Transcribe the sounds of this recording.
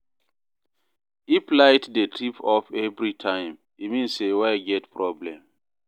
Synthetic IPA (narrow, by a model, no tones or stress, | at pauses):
iplajtdətʰɹipɔfɛvɹitʰãɪ̃m | imĩnsewaɡɛtpʰɹɔblɛ̃m